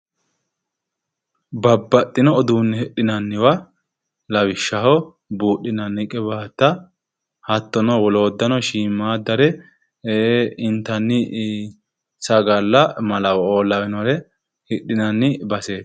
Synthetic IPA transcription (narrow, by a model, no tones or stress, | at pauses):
bɐbːɐt̪ʼːɪnɔɔd̪uːnːɪhɛɗːɪnɐnːɪwɐ | lɐwɪʃːɐhɔ | buːɗːɪnɐnːɪkʼːɛbaːt̪ːɐ | hɐt̪ːɔnɔwɔlo̞ːd̪ːɐnɔʃiːmːaːd̪ɐɾɛ | eɪnt̪ːɐnːɪ | sɐɡɐlːɐmɐlɐwɔoːlːɐwɛnɔɾɛ | hɪɗːɪnɐnːɪbɐseːt̪